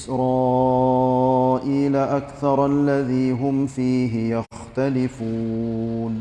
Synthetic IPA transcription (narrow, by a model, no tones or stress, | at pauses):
ɪsɾɑː | ʔiːlaʔakθɑɾˤʔalːaðiːɦʊmfiːɦɪjaxt̪alɪfuːn